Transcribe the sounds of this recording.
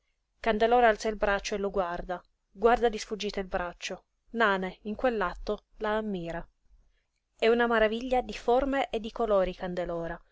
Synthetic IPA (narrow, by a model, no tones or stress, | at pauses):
kand̪elɔːɾaalt̪sailbɾat͡ʃːoelːoɡward̪a | ɡward̪ad̪isfud͡ʒːiːt̪eilbɾat͡ʃːo | naːneiŋkwelːat̪ːo | laːmːiːɾa | ɛunamaɾaviʎːad̪iformeʔed̪ːikoloːɾikand̪elɔːɾa